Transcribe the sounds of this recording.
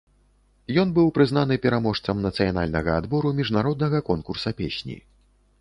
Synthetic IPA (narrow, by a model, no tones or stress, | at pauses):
jɔnbɨwpɾɨzn̪anɨpʲɛɾamɔʂt̪sɐmnɐt̪sɨjan̪a̰lʲnɐɣɐad̪bɔɾumʲiʐnaɾɔd̪nɐɣɐkɔnkursɐpʲeɕʲnʲḭ